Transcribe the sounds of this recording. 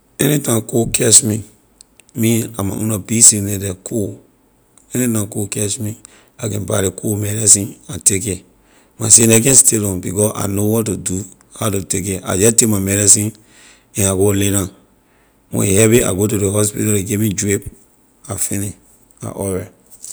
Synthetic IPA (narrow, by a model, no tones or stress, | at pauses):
ɛnitãkokʰɛʃmi | miamã̰ʔṵ̃nabisinedɛkʰo | ɛnitãkokɛʃmi | akɛ̃nbaɾekʰomɛɾisĩnateke | masenakɛ̃nsteɾɔ̃bikɔa̰nowɔtːudu | hatutek̬eʔa̰d͡ʒatekmamɛɾisĩn | ɛ̃naɡoleɾã | wɔ̰̃ihɛbia̰ɡot̬udehɔspitaleɡemid͡ʒɹip̚ | afini | a̰ʔɔwɛ